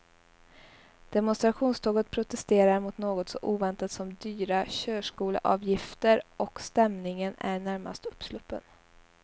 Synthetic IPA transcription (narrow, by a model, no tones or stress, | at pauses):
d̪̥ɛmʊnst̪ɾaɧuːnst̪ʰoːɡət̪̚pʰɾʊt̪ɛst̪eːɾaɾmʊt̪noːɡɔt̪sɔ̰ʔuːvɛnt̪at̪sɔmd̪yːɾaɕøːʂkuːlə̰ʔɑ̰ːvjɪft̪əɾɔkst̪ɛmnɪŋənæ̰ɳæɾma̰st̪ɵpːslɵpːə̰n